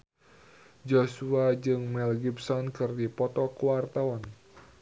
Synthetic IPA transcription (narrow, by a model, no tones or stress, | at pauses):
d͡ʒosuad͡ʒɨŋmɛlɡipsɔnkɨrdipɔt̪ɔkuwart̪aɔn